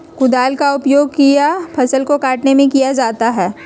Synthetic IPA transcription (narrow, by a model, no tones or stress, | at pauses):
kʊd̪aːlkaʊpjoːɡ̚kijapʰɐsəlkokaːʈnemẽkijad͡ʒaːt̪aɦɛː